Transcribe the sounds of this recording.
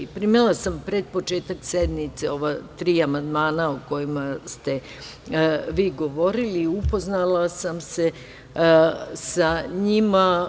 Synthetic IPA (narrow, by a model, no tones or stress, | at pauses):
pɾimilasampɾed̪po̞t͡ʃe̞ːt̪aksed̪nit̪seo̞ʋat̪ɾiːamand̪maːnaoko̞jimast̪e̞ | ʋiːɡo̞ʋo̞ɾiliupo̞znalasamse̞ | saɲima